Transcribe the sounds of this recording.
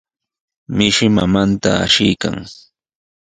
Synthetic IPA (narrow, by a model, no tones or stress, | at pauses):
mɪʃɪmamant̪aːʃɪjka̰ŋ